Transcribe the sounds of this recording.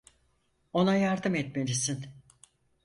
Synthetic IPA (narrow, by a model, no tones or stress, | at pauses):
o̞najaɾd̪ɯmɛt̪me̞lisin